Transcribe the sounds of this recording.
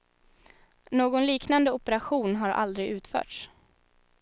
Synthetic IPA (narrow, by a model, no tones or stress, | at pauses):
noːɡɔnliːknand̪əʊpɛɾaɧuːnɦaɾʔa̰ld̪ɾɪʉ̟ːt̪fœ̰ːʈʂ